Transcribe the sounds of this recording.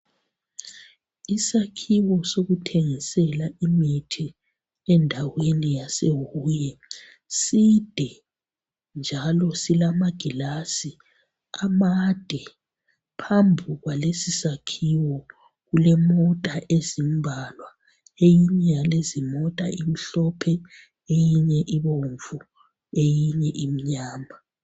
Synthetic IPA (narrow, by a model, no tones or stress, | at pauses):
isakʰiwɔsoɣutʰeŋisɛlaimitʰi | ɛndʱawenijasewuːjɛ | sid̥ʱɛ | nd͡ʒʱalɔsilamaɡ̥ʱilasi | amad̥ʱɛ | pʰambʱiɣwalesisakʰiwɔ | ɣulɛmɔtʼaʔezimbʱalwa | ejiɲɛjalezimɔtʼa̰im̩ɬɔpʰɛ | ejiɲɛʔiβoɱvu | ejiɲɛʔim̩ɲaːma